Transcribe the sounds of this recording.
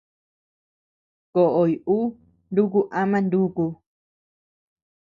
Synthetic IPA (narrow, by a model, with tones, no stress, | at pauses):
ko˨ʔo˨i˨u˦ | nd̪u˦k̬u˦ʔa˦mã˦˧nd̪u˦ku˧